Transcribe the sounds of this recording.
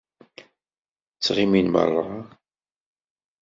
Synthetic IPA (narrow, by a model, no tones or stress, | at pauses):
t͡sːʁiminmɑ̰ɾˤʁˤɑ